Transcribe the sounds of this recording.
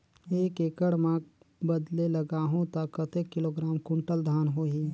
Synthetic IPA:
eːkekəɽmã | bəd̪leləɡaːɦõt̪aːkət̪ekːɪloːɡɾaːmkʊ̃ɳʈəld̪ʱaːnɦoːɦiː

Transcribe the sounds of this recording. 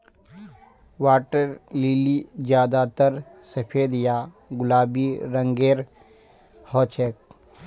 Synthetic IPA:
waːʈəɾliːlid͡ʒjaːd̪aːt̪əɾ | sɐpʰeːd̪ja | ɡʊlaːbiɾə̃ŋɡeːɾ | hɔːt͡ʃʰeːk̚

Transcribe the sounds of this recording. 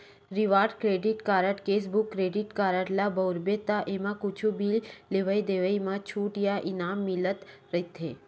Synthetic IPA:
ɾiʋaːɾɖkɾeːɖɪʈkaːɾəʈkeːs̬bʊkːɾeːɖɪʈkaːɾəʈlabɐɾbet̪aʔemãkut͡ʃʰubiːlleʋəid̪eːʋəimãt͡ʃʰuːʈjaʔɪnaːmːɪlət̪ɾɐit̪ʰḛː

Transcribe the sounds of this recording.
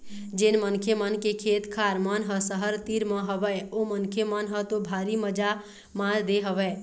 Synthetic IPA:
d͡ʒenmənkʰjəmənkekʰet̪kʰaɾmənɦəsəɦəɾt̪iɾməɦəbɛomənkʰjəmənɦət̪obʱaɾiməd͡ʒa | mãɾd̪eɦəbɛ

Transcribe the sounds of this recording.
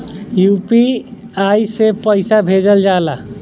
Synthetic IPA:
jupi | ajsepəjsabʱed͡ʒəld͡ʒala

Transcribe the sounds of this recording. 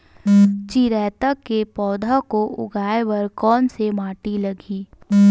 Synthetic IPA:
t͡ʃiɾɛːt̪akepɔːd̪ʱakoʔʊ̰ɡʱaːeʋɐɾkɔːnsemaːʈilɐɡiː

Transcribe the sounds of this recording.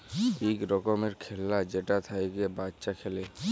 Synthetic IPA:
bikɾɔkomeɾkʰelːad͡ʑeʈat̪ʰajkebatːʃakʰele

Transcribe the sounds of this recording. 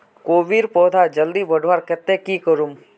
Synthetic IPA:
koːʋiɾpɔːd̪ʱad͡ʒəld̪ibəɖʱʋaːɾkɛt̪ːẽkikəɾum

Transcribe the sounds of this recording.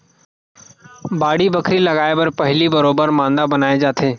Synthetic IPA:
baːɽibəkʰɾiləɡaːebɐɾpəɦlibəɾoːbəɾmãːnd̪abənaːed͡ʒaːt̪ʰeː

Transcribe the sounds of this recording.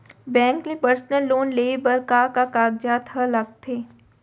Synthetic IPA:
bɛ̃ːŋknepəɾsnəlːoːnleːbɐɾkaːkakaːɡd͡ʒat̪ʰəlɐɡ̚t̪ʰeː

